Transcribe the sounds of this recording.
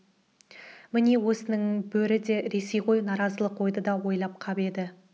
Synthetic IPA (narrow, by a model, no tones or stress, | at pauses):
mɪne̞wɵsɪnɪŋbɵɾɪd̪e̞ɾe̞se̞jqʰo̞jnɑɾɑzəlˠəqwo̞jd̪əd̪ɑwo̞jlˠɑp̚qʰɑbe̞d̪ɪ